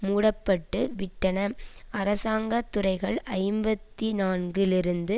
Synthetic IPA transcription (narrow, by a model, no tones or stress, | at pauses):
muːɽɐpːɐʈːɯʋɪʈːɐnɐɐɾɐsaːŋɡɐt̪ːʊrɐɪɣɐɭʔɐɪmbɐt̪ːinaːnɡɪlɪɾɯnd̪ɯ